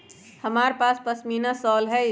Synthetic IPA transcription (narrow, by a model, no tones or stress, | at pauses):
həmaɾpaspəsminasɔːlɦɛj